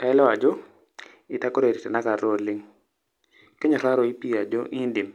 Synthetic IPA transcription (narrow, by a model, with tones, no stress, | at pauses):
ka˨ɛ˦lɛ˦a˨d͡ʒɔ˦ | ɪ˨ta˦ko˦ɾe˨ɾi˨tɛ˨na˦ka˨ɾo˦˨lɪ˦ŋ | ke˦ɲɔ˨ɾa˦ɾɔ˨i˦pi˦a˨d͡ʒo˦ʔɪ˦ndɪ˨m